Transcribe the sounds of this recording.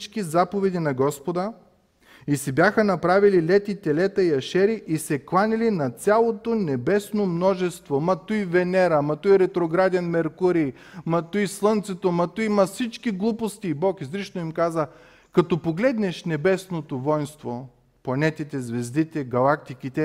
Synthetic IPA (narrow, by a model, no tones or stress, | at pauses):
t͡ʃkizapovɛd̪inɐɡɔspod̪ə | isibʲjaxənɐpɾavililɛt̪it̪ɛlɛt̪ɐiɐʃɛɾiʔisɛklˠanʲilinɐt̪sʲalˠot̪onɛbɛsnomnɔʒɛst̪vomɐt̪uivɛnɛɾɐmɐt̪uiɾɛt̪ɾoɡɾad̪ɛnmɛɾkuɾi | mɐt̪uislˠɤnt̪sɛt̪omɐt̪uimɐsit͡ʃkiɡlˠupost̪ibɔkizlit͡ʃnoimkazə | kɐt̪ɔpoɡlɛd̪nɛʃnɛbɛsnot̪ovɔjnst̪vo | plˠɐnɛt̪it̪ɛzvɛzd̪it̪ɛɡɐlˠak̚t̪ikit̪ɛ